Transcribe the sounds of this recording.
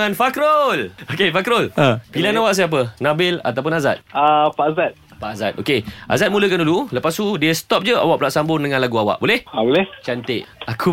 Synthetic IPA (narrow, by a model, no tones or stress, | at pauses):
anfakɾolokefakɾolapilanawaʔs̬iap̬ənãbɪla̰t̪awpʊnaza̰t̪̚apaʔzat̪̚paʔaza̰t̪̚ʔokeʔa̰zat̪̚muləkandululəpast̪udiəst̪ɔp̚d͡ʒəa̰wa̰ʔpulaʔsambʊŋdəŋãnlaɡuawa̰ʔbolɛhabolɛht͡ʃant̪ɪʔakʰu